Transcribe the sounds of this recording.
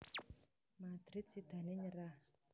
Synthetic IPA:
mad̪ɾit̪̚sid̪ʱaneɲəɾa

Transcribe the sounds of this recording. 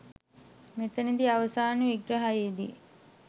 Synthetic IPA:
met̪ənid̪iaʋəsaːnəʋiɡɾəɦajed̪ḭ

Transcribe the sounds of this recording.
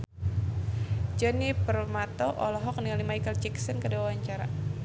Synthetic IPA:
d͡ʒɔnipərmat̪ɔʔɔlɔɦɔk̚nialimajkəlt͡ʃɛksənkədawawaɲt͡ʃaɾa̰

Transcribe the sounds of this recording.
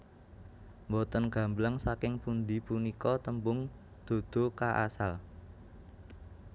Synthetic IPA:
mbot̪ənɡ̥ä̤mblaŋsakɪŋpund̪ipunikɔt̪əmbʊŋ | d̪̥o̤d̪̥o̤kaʔa̰sal

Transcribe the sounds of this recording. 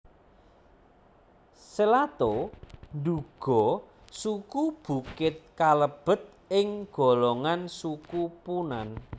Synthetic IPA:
səlat̪onɖuɡ̥ɔ̤ | sukub̥ṳkɪt̪̚kaləb̥ə̤t̪̚ | ɪŋɡ̥ɔ̤lɔŋansukupunan

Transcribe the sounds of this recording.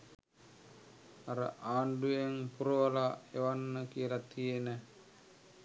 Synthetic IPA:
aɾə̰ʔaːɳɖujeŋpuɾuʋalaeʋanːəkijəlat̪ijenə

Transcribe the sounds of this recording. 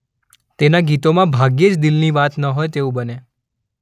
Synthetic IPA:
t̪enaɡit̪omãbʱaɡjed͡ʒd̪ilniʋat̪nəɦojt̪eũbəne

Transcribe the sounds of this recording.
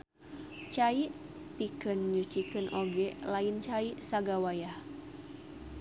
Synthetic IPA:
t͡ʃaiʔ | pikɨnɲut͡ʃikɨnʔoɡɛlaint͡ʃaiʔsaɡawajah

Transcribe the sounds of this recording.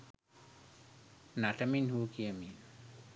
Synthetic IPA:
naʈəminhuːkijəmin

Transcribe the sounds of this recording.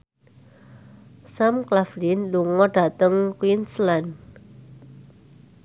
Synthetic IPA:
samklaflinluŋɔɖ̥a̤t̪əŋkwinslan

